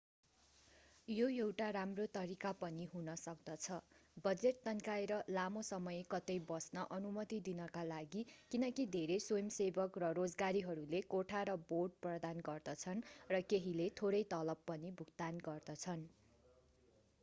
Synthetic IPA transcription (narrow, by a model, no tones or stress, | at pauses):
joewʈaɾamrot̪ʌɾikapʌniɦunʌsʌk̚d̪ʌt͡sʰʌbʌd͡zeʈ̪̚t̪ʌnkaeɾʌlamosʌmʌjekʌt̪ʌjbʌsnʌʔʌnumʌt̪id̪inʌkalaɡikinʌkid̪ʱeɾesojʌmsebʌkrʌrod͡zɡaɾiɦʌɾulekoʈʰaɾʌborɖ̚prʌd̪anɡʌrd̪ʌt͡sʰʌnrʌkeɦilet̪ʰoɾʌjt̪ʌlʌbːʌnibʱuɡ̚t̪anɡʌrd̪ʌt͡sʰʌn